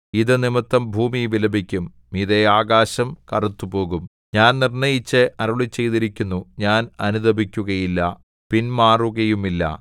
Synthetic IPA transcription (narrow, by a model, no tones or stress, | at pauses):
iðɨnimit̪ːɐmbʱuːmiʋilɐbʱikʲːum | iðeaːɣaːɕɐmkɐrut̪ːupo̞ːɣum | ɲaːnnirnɐjit͡ɕːɐʔɐɾɐɭit͡ɕːe̞jt̪iɾikʲːunːuɲaːnɐnuðɐbʱikʲːuɣɐjilːɐ̰ | pinmaːruɣɐjumilːɐ̰